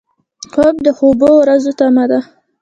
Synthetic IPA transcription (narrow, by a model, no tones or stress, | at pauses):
kob̚d̪əxobowɾazot̪amad̪a